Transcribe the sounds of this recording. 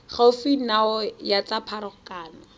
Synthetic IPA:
χaʊfinaɔjat͡sapʰaɾɔkaːna

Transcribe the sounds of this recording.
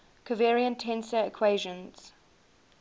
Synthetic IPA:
kʰəvɛːɹiə̃ntʰɛ̃nsəɪkʰw̥eɪʒə̃nz̥

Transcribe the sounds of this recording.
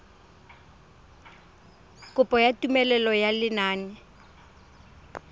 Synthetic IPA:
kʼʊpʼɔjatʼumɛlɛlɔjalɪnaːnɪ

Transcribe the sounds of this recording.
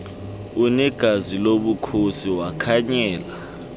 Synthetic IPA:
unɛɡ̥ʱaziloɓukʰosiwakʰaɲɛːla

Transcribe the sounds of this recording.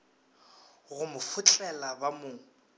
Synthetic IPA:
ɣʊmʊfʊt͡ɬʼɛlabamʊːŋ̩

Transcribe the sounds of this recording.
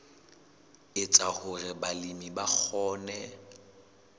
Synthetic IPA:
ɪt͡sʼahʊrɪbalimibak͡xʰɔːnɛ

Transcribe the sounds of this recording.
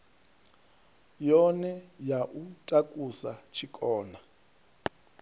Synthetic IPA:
jɔnɛjaʔutʼakʼusat͡ʃʰikʼɔːna

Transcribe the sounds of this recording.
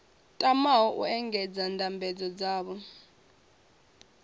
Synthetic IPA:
tʼamaɦɔʔṵɛŋɡɛd͡zandʱambʱɛd͡zɔd͡zaːɓɔ

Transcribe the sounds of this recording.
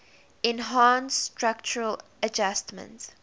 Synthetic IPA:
ɪ̃nɦãnstɹak̚t͡ʃəɹəl | əd͡ʒastmə̰̃nt

